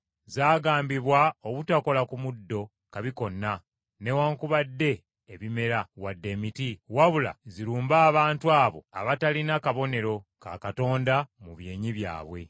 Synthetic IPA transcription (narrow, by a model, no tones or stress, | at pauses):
zaːɡaːmbiβwaoβutako̞lakumudːo̞ | kaβiko̞nːa | ne̞waːŋkuβadːe̞ː | βime̞ɾawadːe̞mitiwaβula̰ziɾuːmbaːβaːntuaːβo̞̰a̰βatalinakaβo̞ne̞ɾo̞ka̰kato̞ːndamuβje̞ːɲiβja̰ːβwe̞̰